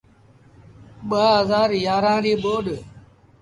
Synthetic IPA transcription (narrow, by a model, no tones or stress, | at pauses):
ɓaːɦəzaːɾjaːɾãːɾiːɓoːɗ